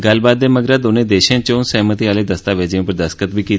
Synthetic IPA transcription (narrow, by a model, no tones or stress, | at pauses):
ɡəlbaːd̪ːeməɡɾad̪oːned̪eːʃẽt͡ʃõnsɛɦmət̪iaːled̪əst̪aːʋed͡ʒĩũpəɾd̪əskət̪̚bʱiki